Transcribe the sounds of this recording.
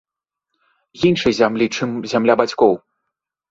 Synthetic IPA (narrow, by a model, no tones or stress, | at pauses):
jinʂɐjzʲamlʲit͡ʂɨmzʲamlʲabat͡sʲkɔw